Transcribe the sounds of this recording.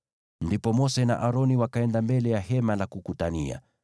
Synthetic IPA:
ndipɔmɔsɛna̰ʔaɾɔniwakaɛndambɛlɛjaɦɛmalakukutania̰

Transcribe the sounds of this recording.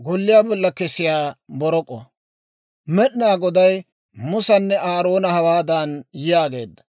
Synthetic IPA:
ɡɔlːɪjaːbɔlːɐkɛsɪjaːbɔɾɔkʼːɔ̰ | mɛɗɪnaːɡɔd̪ɐj | mʊsɐnːɛʔaːɾo̞ːnɐhɐwaːd̪aːnjɪjaːɡe̞̰ːd̪ːɐ̥

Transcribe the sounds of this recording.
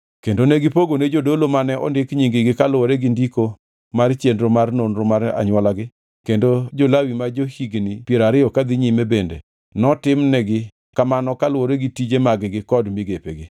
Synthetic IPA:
kendoneɡɪpoɡoned͡ʒodolomanɛʔɔ̰ndɪkɲiŋɡɪɡɪkalwoɾeɡindiko | mart͡ʃendɾomarnonɾomaɾa̰ɲwɔlaɡɪ | kendod͡ʒolawimad͡ʒohiɡnipjeɾaɾɪɔkad̪ɪɲimebendḛ | nɔtɪmnɛɡɪ | kamanɔkalwoɾeɡitid͡ʒemaɡɪɡɪkɔdmiɡepḛɡɪ

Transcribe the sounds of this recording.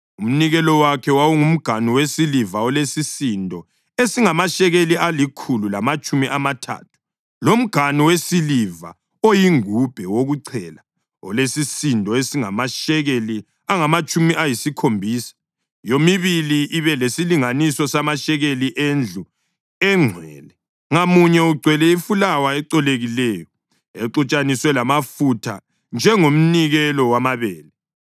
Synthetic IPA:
um̩niɣɛlɔwakʰɛwawuŋum̩ɡ̥ʱaniwesilivaɔlesisindʱɔ | esiŋamaʃɛɣelialikʰululamat͡ʃʼumiʔamatʰa̰ːt̚ʰu̥ | lom̩ɡ̥ʱaniwesiliva̰ | ojiŋub̥ʱɛwoɣuǀʰɛːla | ɔ̰lesisindʱɔesiŋa̰maʃɛɣeli | aŋamat͡ʃʼumiʔajisikʰombʱiːsḁ | jomiβiliʔːβɛlesiliŋanisɔsamaʃɛɣeliʔend͡ɮʱu | ɛŋ͡ǀʱwɛ̰ːlɛ | ŋamuɲɛuɡ͡ǀʱwɛlɛifulawaɛǃɔleɣilɛːjɔ | eǃut͡ʃʼaniswɛlamafutʰa̰ | nd͡ʒʱɛŋom̩niɣɛlɔwamaβɛːlɛ

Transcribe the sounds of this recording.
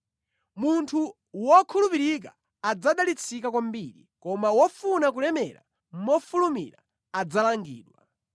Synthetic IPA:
muntʰu | wɔkʰulupiɾik̬a̰ː | d͡zaɗalit͡sʰikakwambiɾḭkɔmawɔfunak̬ulɛmɛ̰ɾa̰ | m̩mɔfulumḭɾa̰ | ad͡zalaŋɡḭːɗwa̰

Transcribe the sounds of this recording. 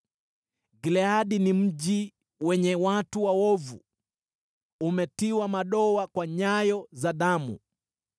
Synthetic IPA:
ɡilɛaɗinim̩ʄi | wɛɲɛwatuwawɔvṵ | umɛtiwamaɗɔwakwaɲajɔzaɗamṵ

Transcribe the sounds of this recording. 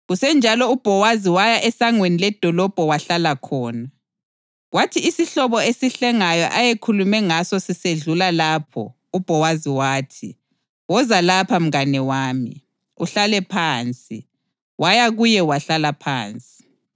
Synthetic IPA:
ɣusɛnd͡ʒʱalɔub̥ʱɔwaziwajaʔɛsaŋwenilɛd̥ʱɔlɔb̥ʱɔwaɬalakʰɔːna | watʰiisiɬɔβɔesiɬɛŋajɔʔajekʰulumɛŋasɔsiseɮulalaːpʰɔ̰ | ub̥ʱɔwaziwaːtʰi | wɔzalapʰam̩ɣanɛwaːmḭ | uɬalɛpʰaːnt͡sʼḭ | wajaɣujɛwaɬalapʰa̰ːnt͡sʼi̥

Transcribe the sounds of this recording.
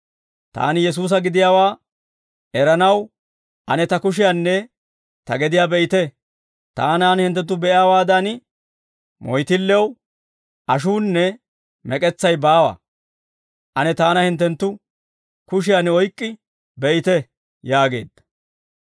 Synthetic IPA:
t̪a̰ːnɪjɛs̬uːs̬ɐɡɪd̪ɪjaːwaː | ʔɛɾɐnɐw | ʔɐnɛt̪ɐkʊʃ̬ɪjanːɛ | t̪ɐɡɛd̪ɪjaːbɛʔɪt̪ɛ | t̪a̰ːnaːnhɪnt̪̬ːɛnt̪̬ːʊbɛʔɪjaːwaːd̪ɐn | mɔjt̪ɪlːɛw | ʔɐʃ̬uːnːɛ | mɛkʼɛt͡sːɐjbaːwɐ̰ | ʔɐnɛt̪aːnɐhɪnt̪ːɛnt̪ːʊ | kʊʃ̬ɪjanɔjkʼːɪ | bɛʔɪt̪ɛ | jaːɡe̞ːd̪ːɐ̥

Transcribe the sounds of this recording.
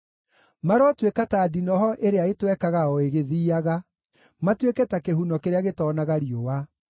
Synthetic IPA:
maɾwɔtwekataːdinɔɦɔʔeɾeaetwɛkaɣaɔeɣeðiːaɣa | matwekɛtakeɦunɔkeɾeaɣetɔnaɣaɾijowa

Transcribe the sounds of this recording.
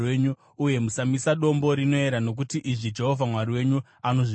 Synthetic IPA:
eɲu | uje̞musamisaɗo̞mbo̞ɾino̞e̞ɾano̞k̬utiʔiʐid͡ʒe̞ɦo̞vʱamwaɾiwe̞ɲu | ano̞ʐi

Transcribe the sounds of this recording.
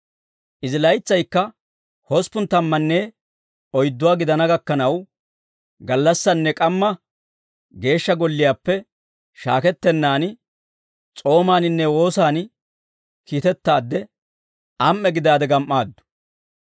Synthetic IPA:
ʔɪzɪlɐjɪt͡sːɐjkːɐ | hɔspːʊnt̪ɐmːɐnːeː | ɔjd̪ːʊwaːɡɪd̪ɐnɐɡɐkːɐnɐw | ɡɐlːɐsːɐnːɛkʼɐmːɐ | ɡe̞ːʃːɐɡɔlːɪjaːpːɛ | ʃaːkɛt̪ːɛnːaːn | t͡sʼo̞ːmaːnɪnːɛwo̞ːsaːn | kiːt̪ɛt̪ːaːd̪ːɛ | ʔɐmʔːɛɡɪd̪aːd̪ɛɡɐmʔːaːd̪ːʊ̥

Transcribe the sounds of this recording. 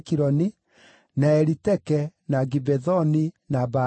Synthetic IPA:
kiɾɔni | naɛɾitɛkɛnaɡibɛðɔni | naba

